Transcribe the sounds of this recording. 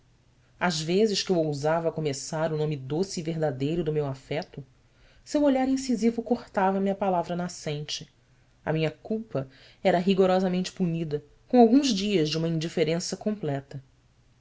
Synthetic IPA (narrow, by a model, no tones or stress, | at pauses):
aʒvezɪʃkɪewowzavɐːkomesaɾʊnõmɪd̪osɪːveɦd̪ad̪ejɾʊd̪ʊmewafɛt̪ʊ | sewoʎaɾĩsizivʊkoχt̪avɐmiɐpalavɾɐnasẽnt͡ʃɪ | ɐ̰mĩɲɐkuwpɐ | ɛɾɐɦiɡoɾɔzɐmẽnt͡ʃɪ̥puɲid̪ɐ | kõawɡũzd͡ʒiɐʒd͡ʒɪũmɐĩd͡ʒifeɾẽsɐkõmplɛt̪ɐ